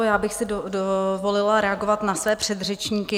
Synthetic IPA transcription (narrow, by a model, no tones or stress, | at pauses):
ojaːbɪxsɪdodovo̞lɪlaɾɛaɡo̞vat̪nasvɛːpr̝̥ɛd̪r̝ɛt͡ʃɲiːkɪ